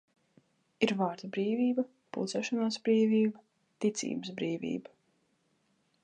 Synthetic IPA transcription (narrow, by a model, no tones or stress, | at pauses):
iɾvaːɾd̪ubɾiːvʲiːbɐ | pṵlˠt̪sɛːʃɔnaːsbɾiːvʲiːbɐ | t̪it̪sḭːbɨsbɾiːvḭːbɐ